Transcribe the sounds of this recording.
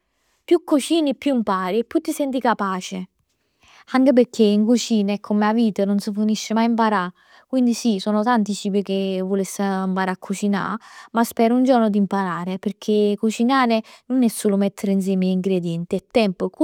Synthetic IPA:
pjukːut͡ʃiːnipːjuimpaːɾipːjut̪ːisɛnt̪ikapaːt͡ʃe | aŋkep̬eɾkʰːeiŋkut͡ʃiːnɛkʰːomeaviːt̪ənonsifuniʃːɪmajimpaɾa | kwind̪isisɔːnʊt̪ant̪it͡ʃiːbik̟evːolesːampaːɾaakʰːut͡ʃina̰maspɛːɾʊund͡ʒɔrnʊd̪impaɾaːɾepeɾkʰekut͡ʃinaːɾenʊnɛsːoːlʊmɛt̪ʰːeɾɪins̬jɛːmiiŋɡɾed̪jɛnt̪iɛt̪ːɛmpʊk

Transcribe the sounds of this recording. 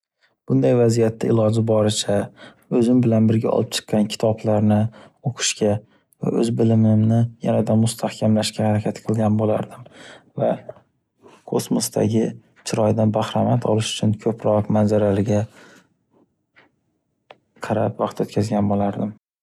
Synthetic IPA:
b̥ʊnd̪ajvazijat̪ʰːaɪlɒd͡ʒɪbɒɾɪt͡ʃʰa | ɵzɪmbɪlanbɪɾɡʲaɒ̰lˠɪp̚t͡ʃʰɨ̥qːɑnkʲʰɪ̥t̪ʰɒblaɾnɪ | oqʰɨ̥ʃkʲʰa | va̰ʔɵzbɪlɪmɪmnɪja̰nad̪amʊst̪ʰahkʲʰamlaʃkʲahaɾakʲʰat̪qʰɨlˠɡʲanbola̰ɾd̪ɪmva | kʰosmosd̪a̰ɡʲɪ | t͡ʃʰɪɾɒjd̪anbahɾamat̪ʰɒlɪʃʊ̥t͡ʃʰʊnkʲʰɵpʰɾɒqmanzaɾalɪɡʲa | qʰɑɾapvɑqt̪ɵt̪kʲʰazɡʲanbolaɾd̪ɪm

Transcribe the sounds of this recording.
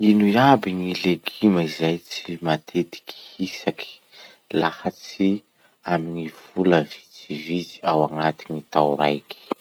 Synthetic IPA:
inujabiŋileɡiməizajt͡simat̪ʰet̪i̥ki̥hisaki̥ | lahat͡si | aminiv̥uləvi̥t͡sivit͡si̥awaŋat̪init̪awɾa̰jki̥

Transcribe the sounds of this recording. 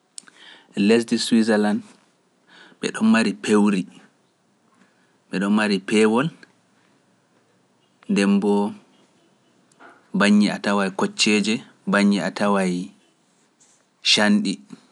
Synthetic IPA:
les̬diswizɛland | ɓɛ̰ɗɔnmaɾipʰewɾi | ɓɛɗɔnmaɾipɛːwɔl | ndɛmbɔ | baɲːiatawajkɔt͡ʃːɛd͡ʒɛ | baɲːiatawaj | ʃanɗi

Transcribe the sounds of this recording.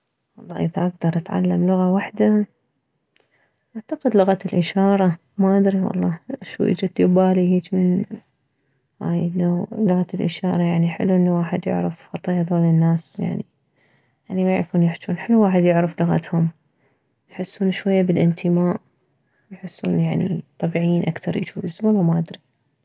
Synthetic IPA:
wɑlˤːɑːʔɪðaʔaɡ̚d̪ɑɾˤʔat̪ʕa̰lːamlʊɣawaħd̪a | ʔaʕt̪aqɪd̪lʊɣat̪ɪlʔɪʃɑːɾˤɑ | maʔad̪ɾiwɑ̰lˤːɑːʃṵːʔḭːd͡ʒat̪ːɪbaːlihiːt͡ʃmɪn | ha̰ːjnːalʊɣat̪ɪlʔɪʃɑːɾˤɑjaʕniħɪ̰lːuʔɪnːawaːħɪd̪jʊ̰ʕɾɪfxɑt̪ˤɑjːad̪oːlɪnːaːsja̰ʕni | janimaja̰kuːnjɪħt͡ʃuːnħɪlːuwaːħɪd̪jʊʕɾɪflʊɣa̰t̪hʊm | jħɪsːuːnʃwajːabɪlʔɪnt̪ʰəmaːʔ | jħɪsːṵːnjaʕnḭt̪ˤːɑbiʕjiːnʔakt̪ɑ̰ɾˤjɪ̰t͡ʃuːɪzwɑlˤːɑmaʔad̪ɾi

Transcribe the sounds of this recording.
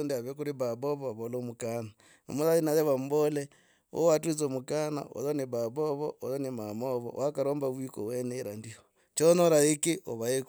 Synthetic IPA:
ndiaβekuɾiβaβoβoaβoloːmukana | no̰muðaðinaðeβambole | o̰watuit͡somukana̰ʔo̰ðoniβaβoβoʔoðonimamoβo̰wʔakaɾoːmbaβwiko̰weneiɾandio | t͡ʃonoɾaekeʔoβaek

